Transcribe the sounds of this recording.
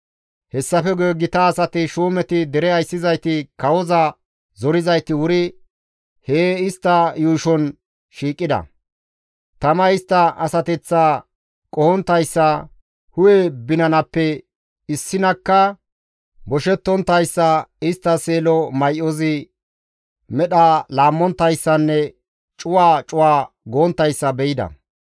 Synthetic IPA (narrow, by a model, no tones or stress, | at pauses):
hɛsːɐfɛɡeɡɪt̪ɐːsɐt̪ɪʃuːmɛt̪ɪd̪ɛɾɛɐjsːɪzɐjt̪ɪkɐwɔzɐ | zɔɾɪzɐjt̪ɪwʊɾɪ | heːɪst̪ːɐjuːʃɔn | ʃiːkʼːɪd̪ɐ̰ | t̪ɐmɐɪst̪ːɐɐsɐt̪ɛt͡sːaː | kʼɔhɔnt̪ːɐjsːɐ | hʊjɛbɪnɐnɐpːɛ | ɪsːɪnɐkːɐ | bɔʃɛt̪ːɔnt̪ːɐjsːɐɪst̪ːɐseːlɔmɐjʔɔzɪ | mɛɗɐlaːmːɔnt̪ːɐjsːɐnːɛ | t͡ʃʼʊwaːt͡ʃʼʊwaː | ɡoːnt̪ːɐjsːɐbɛjɪd̪ɐ̰